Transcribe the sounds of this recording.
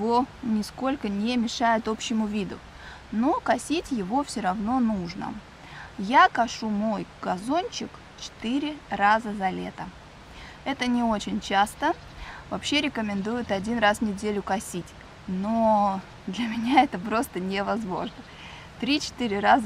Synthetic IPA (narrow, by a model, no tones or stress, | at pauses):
ɪvonʲɪsko̞lʲkənʲɪmʲɪʂajɪt̪o̞pɕːɪmʊvʲid̪ʊ̰ | no̞kɐsʲitʲjɪvo̞fsʲoɾɐvno̞nuʐnə̰ | jakɐʂumo̞jɡ̥ɐzo̞nʲt͡ɕɪk | t͡ɕɪ̥t̪ɨɾʲɪrazəzɐlʲḛt̪ə | ɛt̪ənʲɪo̞t͡ɕɪnʲt͡ɕast̪ə | vɐpɕːe̞ɾʲɪkəmʲɪnd̪ujʊt̪ɐdʲinrasvnʲɪdʲelʲʊkɐsʲitʲ | no | d̪lʲɐmʲɪnʲaɛt̪əpɾo̞st̪ənʲɪvɐzmo̞̰ʐnə | t̪ɾʲit͡ɕɪ̥t̪ɨɾʲɪɾaz